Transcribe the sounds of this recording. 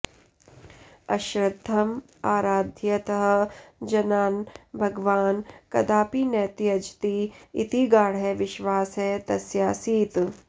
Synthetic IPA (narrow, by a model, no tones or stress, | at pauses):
ɐʃɾɐd̪ʱːɐm | aːɾaːd̪ʱjɐt̪ɐɦɐ̆d͡ʒɐnaːnbʱɐɡʋaːnkɐd̪aːpinɛːt̪iɐd͡ʒt̪iit̪iɡaːɽɦɛʋɪʃʋaːsɦɛt̪ɐsjaːsiːt̪